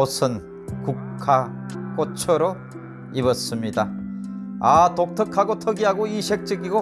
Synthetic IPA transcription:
osʰɯn | kukkʰak͈ot͡ɕʰʌɾo | ibʌs͈ɯmɲida | atok̚tʰʌkʰaɡotʰʌɡiɦaɡoiɕʰek̚t͡ɕ͈ɯɡiɡo

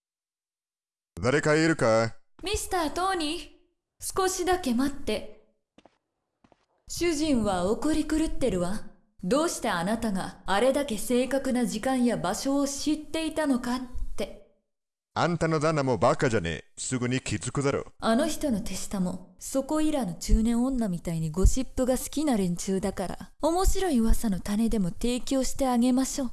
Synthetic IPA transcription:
d̪aɾe̞kaeɾɯ̟kamʲisɨ̥t̪aːt̪o̞ːɲ̟i | sɨ̥ko̞ɕid̪ake̞mat̪ːe̞ | ɕɨʑĩɰ̃βaokoɾʲikɯ̟ɾɯ̟t̪ːe̞ɾɯ̟βa | d̪o̞ːɕi̥t̪e̞anat̪aɡaːɾe̞d̪ake̞se̞ːkakɯ̟nad͡ʑikãɰ̃jabaɕo̞ːɕit̪ːe̞it̪ano̞kat̪ːe̞ | ã̰nt̪ano̞d̪anamo̞bakad͡ʑanḛsɨɡɯ̟ɲ̟ikʲizɨkɯ̟d̪aɾo̰ano̞çi̥t̪o̞no̞t̪e̞ɕi̥t̪amo̞so̞ko̞iɾano̞t͡ɕɨːnẽ̞ɰ̃õ̞nːamʲit̪aiɲ̟iɡo̞ɕipːɯ̟ɡasɨ̥kʲinaɾẽ̞ɲ̟t͡ɕɨːd̪akaɾa̰o̞mo̞ɕiɾo̞iβasano̞t̪ane̞d̪e̞mo̞t̪e̞ːkʲo̞ːɕi̥t̪e̞aɡe̞maɕo̞ː

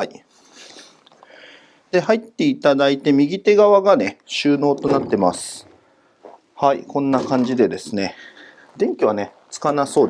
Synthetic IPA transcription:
ai | d̪̥e̞hait̪ːe̞it̪ad̪ait̪e̞mʲiɡʲit̪e̞ɡaβaɡane̞ɕɨːno̞ːt̪o̞nat̪ːe̞masɨ̥ | haikõ̞nːakãɲ̟d͡ʑid̪e̞d̪e̞sɨne̞ | d̪ẽ̞ŋkʲiβ̞ane̞ | t͡sɨ̥kanaso̞ːd̪

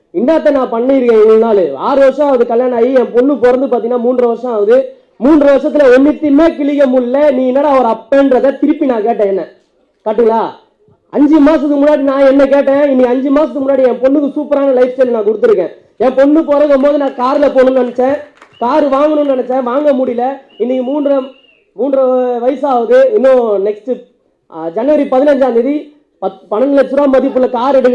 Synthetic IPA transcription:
ɪnːaːt̪̬ːɐnãːpɐɳːɪɪɾɯkẽːɛŋɡɐɭnaːlɯa̰ːɾɯʋɐɾʂɐ̃ɐːʋɐðɯkɐljaːnaːjiɛ̃pɔnːɯpɔɾɐnd̪ɯpaːt̪iŋɡɐnːaːmuːɳdɾɐʋɐɾʂɐ̃ɐʋɐðɯ | muːndɾɐʋɐɾʂɐt̪ːɪlɐɔnːɪt̪ːimeːkɪɭɪɣɐmʊɭːɐniːnaːɽɐɐʋɐɾɐpːenɾɐðɐt̪ɪɾɯpːinaːkeːʈ̬ːẽːɛnːɐ | kɐʈːɯŋɐlaː | ɐɲd͡ʒɯmaːsɐt̪ːɯmʊnːaːɽinãːɛnːɐk̬eːʈ̬ːẽːɪnːɪɐɲd͡ʒɯmaːsɐt̪ːɯmʊnːaːɽiɛ̃pɔnːɯkːɯsuːpɐɾaːnɐlɐɪfst͡ʃelnãːkʊɽɯt̪ːɯɾɯkːḛ̃ː | ɛ̃ːpɔɳːɯpoːɾɐɣɐmboːðɯnãːkaːɾɪlɐpoːnɯ̃nnɐnɐt͡ʃːẽːkaːɾɯʋaːŋɡɐnɯ̃nnɐnɐt͡ʃːẽːʋaːŋɡɐmʊɽɪjlɐɪnːɪkːmuːnɾɐ | muːnɖɾɐʋɐɪsaːʋɐðɯɪnːõːnɛkstɯ | d͡ʒɐnɐʋɐɾipɐðɪnɐɲd͡ʒaːnd̪ɐði | pɐpɐnɐnɐlɐt͡ʃːɯɾaːmɐðɪpːɯlːɐkaːɾɛɽɯkː

